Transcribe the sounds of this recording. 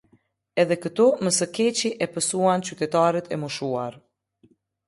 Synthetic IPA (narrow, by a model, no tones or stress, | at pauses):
ɛðɛkət̪uməsəkɛt͡ɕiʔɛpəsuant͡ɕyt̪ɛt̪aɾɛt̪ʰɛmuʃua̰ɾ